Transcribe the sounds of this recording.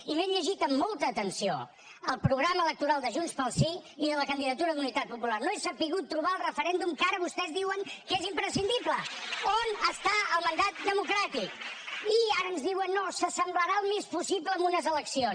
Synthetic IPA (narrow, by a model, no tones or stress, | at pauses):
imeʎəʒit̪əmːolˠt̪əːt̪ənsio̰ | əlˠpɾuɣɾamələk̚t̪uɾalˠd̪əʒunspəlˠsiiðələkənd̪iðət̪uɾəðunit̪at̪̚pupularnoɛsəpiɣut̪ːɾuβaəlˠrəfəɾɛnd̪umkaɾəβust̪ɛzðiwəŋkezimpɾəsind̪ipləonəst̪aəlˠmənd̪at̪̚d̪əmukɾat̪ikiaɾəːnzðiwənːosəsəmbləɾaəlˠmespusipləːmunəzələksions